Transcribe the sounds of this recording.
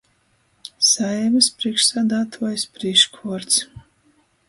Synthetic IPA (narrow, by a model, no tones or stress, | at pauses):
saɛmɨspɾiɛkʃsaːd̪aːt̪ʰuɔjspɾiʃkʰuɔɾt̪s